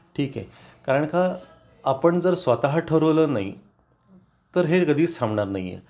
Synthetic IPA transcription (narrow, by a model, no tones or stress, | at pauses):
ʈʰiːkḛ | kaɾəɳkaː | pəɳd͡zəɾsʋat̪aɦʈʰəɾʋləːnai | t̪əɾɦekəd̪ʱiːsãmbɳaɾnaɦiːḛ